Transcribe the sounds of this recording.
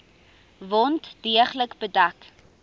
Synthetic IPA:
vɔntd̥iəχləkbədɐk

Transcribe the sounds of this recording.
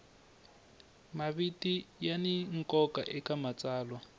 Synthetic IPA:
maβitijaniŋ̩kɔka̰ʔɛkamat͡saːlwa

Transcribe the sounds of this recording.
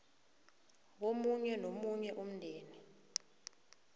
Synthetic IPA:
womuɲɛnomuɲɛʔum̩ndʱeːni

